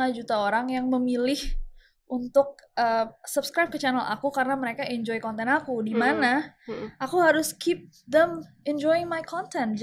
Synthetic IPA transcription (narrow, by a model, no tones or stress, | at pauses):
ad͡ʒut̪aoɾaŋjaŋməmilɪh | ʔunt̪ʊk̚ʔəsəbskɾab̚kət͡ʃanəlʔa̰kukaɾənaməɾekaʔɛɲd͡ʒɔjkɔnt̪ɛnakudimanaʔakuɦaɾʊskʰip̚ | d̪ɛm | ɛnd͡ʒɔjɪŋmajkʰɔnt̪ɛnt̪̚d͡ʒ